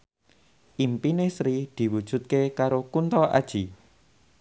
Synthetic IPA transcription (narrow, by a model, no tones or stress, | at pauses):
ʔimpinesɾid̪̥i̤wud̥ʒ̥ṳt̪̚kekaɾokunt̪ɔʔa̰d̥ʒ̥i